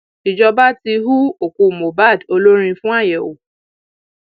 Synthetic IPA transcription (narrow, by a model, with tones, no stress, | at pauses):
i˨d͡ʒɔ˧ba˦ti˧ɦu˦o˨ku˨˧˨mo˨ba˦˨do˧lo˦ɾ̃ĩ˧fũ˦a˦˨jɛ˨o̰˨